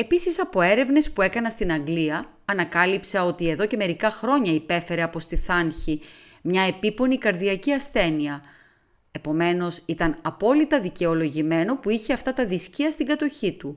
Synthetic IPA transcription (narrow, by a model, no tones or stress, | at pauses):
e̞pisisɐpo̞e̞ɾe̞vne̞spue̞kɐnɐst̪inɐŋɡliɐː | nɐkɐlipsɐo̞t̪ie̞ðo̞ce̞me̞ɾikɐxɾo̞ɲɐipe̞fe̞ɾe̞ɐpo̞st̪iθɐnçi | mɲɐe̞pipo̞nikɐɾðiɐciɐsθe̞niɐ | e̞po̞me̞no̞sit̪ɐnɐpo̞lit̪ɐðice̞o̞lo̞ʝime̞no̞puiçe̞ɐft̪ɐt̪ɐðisciɐst̪iŋɡɐt̪o̞çit̪u